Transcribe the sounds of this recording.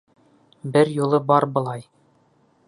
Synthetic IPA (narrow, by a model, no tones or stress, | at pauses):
bɘɾjulˠɤbɒɾbɤ̆lˠɑj